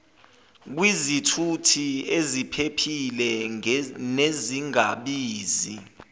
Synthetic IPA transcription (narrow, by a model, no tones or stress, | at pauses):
k̬wizitʰutʰiezipʰepʰilɛ | neziŋaɓiːzi